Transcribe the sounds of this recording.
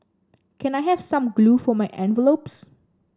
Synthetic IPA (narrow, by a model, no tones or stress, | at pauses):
kʰɛ̃najɦɛvsãmɡlufɔmajʔɛ̃nvəlops